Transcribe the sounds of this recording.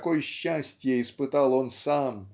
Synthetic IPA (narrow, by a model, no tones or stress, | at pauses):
kojɕːæsʲtʲjəispɨt̪alˠonsam